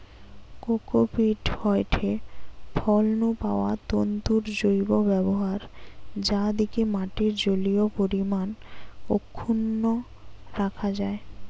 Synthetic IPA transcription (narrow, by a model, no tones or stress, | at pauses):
kokopiʈhɔeʈʰepʰɔlnupaoat̪ont̪uɾd͡ʑojbobɛboɦaɾd͡ʑad̪ikemaʈiɾd͡ʑoliopoɾimanokʰːunːo | ɾakʰad͡ʑae